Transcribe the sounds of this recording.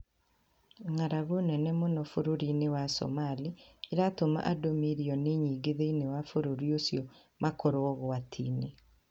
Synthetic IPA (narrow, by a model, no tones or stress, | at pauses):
ŋaɾaɣonɛnɛmonɔfoɾoɾinewasɔ̰malieɾatoma̰ʔadomiɾiɔneɲiːɡeðeinewafoɾoɾiosjɔ | mʔakoɾoɔɣoatʰḭːne